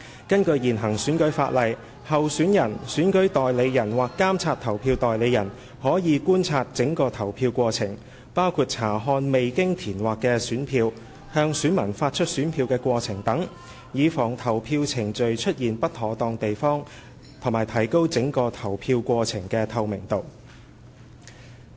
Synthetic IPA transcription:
kɐ˥nkɵ˧ɥjiː˨˩nɦɐ˨˩ŋsyː˨˥nkɵ˨˥ɥfa̰ː˧t̚lɐ˨j | hɐ˨wsyː˨˥njɐ˨˩nsyː˨˥nkɵ˨˥ɥt̪ɔː˨jle˨˧jjɐ˨˩nwaː˨kːaː˥mt͡sʰaː˧t̚t̪ʰɐ˨˩wpʰiː˧wt̪ɔː˨jle˨˧jɐ˨˩n | hɔː˨˥jiː˨˧kuː˥nt͡sʰaː˧t̚t͡sɪ˨˥ŋkɔː˧t̪ʰɐ˨˩wpʰiː˧wkʷɔː˧t͡sʰɪ˨˩ŋ | paː˥wkʰuː˧t̚t͡sʰaː˨˩ɦɔː˧nme˨jkɪ˥ŋt̪ʰiː˨˩nwaː˨˩kːɛː˧syː˨˥npʰiː˧w | hœː˧ŋsyː˨˥nmɐ˨˩nfaː˧t̚t͡ʃʰɵ˥t̚syː˨˥npʰiː˧wkɛː˧kʷɔː˧t͡sʰɪ˨˩ŋt̪ɐ˨˥ŋ | jiː˨˧fɔː˨˩ŋt̪ʰɐ˨˩wpʰiː˧wt͡sʰɪ˨˩ŋt͡ʃɵ˨ɥt͡ʃʰɵ˥t̚jiː˨˩npɐ˥t̚hʰɔː˨˥t̪ɔː˧ŋt̪e˨jfɔː˥ŋ | t̪ʰo˨˩ŋmaː˨jt̪ʰɐ˨˩jko˥wt͡sɪ˨˥ŋkɔː˧t̪ʰɐ˨˩wpʰiː˧wkʷɔː˧t͡sʰɪ˨˩ŋkɛː˧t̪ʰɐ˨˩wmɪ˨˩ŋt̪o˨w

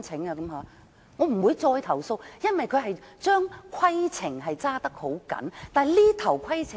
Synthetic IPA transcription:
t͡sʰɪ˨˥ŋaː˧kɐ˨˥mɦaː˨˧ | ŋɔː˨˧m̩˨˩wuː˨˧jt͡sɔː˧jt̪ʰɐ˨˩wso˧wjɐ˥nwɐ˨jkʰɵ˨˧ɥɦɐ˨jt͡ʃœː˥ŋkʰɐ˥jt͡sʰɪ˨˩ŋɦɐ˨jt͡saː˥t̪ɐ˥k̚ho˨˥wkɐ̰˨˥nt̪aː˨jliː˥t̪ʰɐ˨˩wkʰɐ˥jt͡sʰɪ˨˩

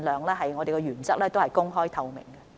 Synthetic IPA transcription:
nlœː˨˧ŋlɛː˥ɦɐ˨jŋɔː˨˧e˨jkɔ˧ɥyː˨˩nt͡sɐ˥k̚lɛː˥t̪o˥whɐ˨jkʊ˥ŋɦɔː˥jt̪ʰɐ˧wmɪ̰˨˩ŋkɐ˧

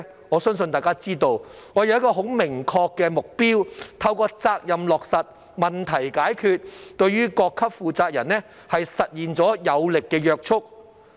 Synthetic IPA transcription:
ŋɔː˨˧sœː˥ŋsɵ˧nt̪aː˨˩jkaː˥t͡siː˥t̪o˧w | ŋɔː˨˧jɐ˨˧wjɐ˥kɔː˧ɦo˨˥wmɪ˨˩ŋkʰɔː˧kːɛː˧mʊ˨k̚piː˥wt̪ʰɐ˧wkɔː˧t͡saː˧k̚jɐ˨mlɔː˨k̚sɐ˨t̚ | mɐ˨nt̪ʰɐ˨˩jkaː˨˥jkʰyː˧t̚t̪ɵ˧ɥyː˥kɔː˧kʰːɐ˥p̚fuː˨t͡saː˧k̚jɐ˨˩nɛ˥ | hɐ˨jsɐ˨t̚jiː˨nt͡sɔː˨˥jɐ˨˧wlɪ˨kːɛː˧jœː˧k̚t͡ʃʰʊ˥k̚

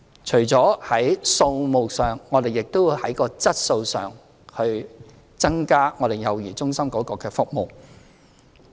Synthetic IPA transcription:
t͡ʃʰɵ˨˩ɥt͡sɔː˨˥hɐ˨˥jso˧wmo˨wsœː˨˩ŋːɔː˨˧t̪e˨jɪ˨k̚t̪o˥wi˧hɐ˨˥jkɔː˧t͡sɐ˥t̚so˧wsœ̰ː˨˩ŋ | hɵ˧ɥ | t͡sɐ˥ŋkaː˥ŋɔː˨˧ɾe˨jjɐ˨wjiː˨˩t͡sʊ˥ŋsɐ˥mkɔː˨˥kɔː˧kɛː˧fʊ˥k̚mo˨w

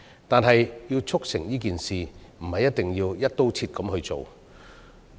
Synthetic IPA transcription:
t̪aː˨nɦɐ˨jji˧wt͡sʰʊ˥k̚sɪ̰˨˩ŋjiː˥k̬iː˨nsiː˨˩m̩˨˩hɐ˨jːɐ˥t̪̚ɪ˨ŋjiː˧wjɐ˥t̚t̪o˥wt͡sʰiː˧t̚kɐ˨˥mhɵ˧ɥt͡so̰˨w

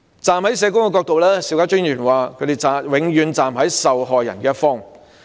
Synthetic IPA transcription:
t͡saː˨mhɐ˨˥jsɛː˨˧kʊ˥ŋkɛː˧kɔː˧k̚t̪o˨wlɛː˥siː˧wkaː˥t͡ʃy˥ŋjyː˨˩nwaː˨kʰɵ˨˧˥t̪e˨˩jt͡saː˨wɪ˨˧ŋjyː˨˧nt͡saː˨mɦɐ˨˥jsɐ˨wɦɔː˨jːɐ̰˨˩nkɛː˧˥tfɔː˥ŋ

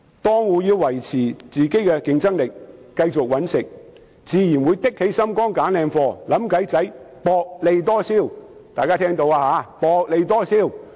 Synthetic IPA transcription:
t̪ɔː˥ŋwuː˨˧jiː˧wwɐ˨˩jt͡sʰiː˨˩t͡siː˨ke˨˥jkɛ˧kɪ˧ŋt͡sɐ˥ŋlɪ˨kːɐ˧jt͡sʊ˨k̚wɐ˨˥nsɪ˨k̚ | t͡siː˨˧jiː˨˩nwuː˨˧jt̪ɪ˥k̚he˨˥jsɐ˥mkɔː˥ŋkaː˨˥nlɛː˧ŋfɔː˧lɐ˨˥mkɐ˨˥jt͡sɐ˨˥j | pɔː˧k̚le˨˧jt̪ɔː˥siː˥˩w | t̪aː˨jkaː˥t̪ʰɛː˥ŋt̪o˧waː˧haː˨˧˥pɔː˧k̚le˨˧jt̪ɔː˥siː˥˩w

